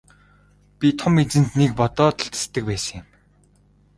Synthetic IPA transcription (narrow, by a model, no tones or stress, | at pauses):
pʲit̪ʰɔmet͡sɘ̆nt̪nik̚pɔt̪ɔːt̪ʰaɬt̪ə̥̆st̪ɘ̆k̚pæːsə̆ŋăm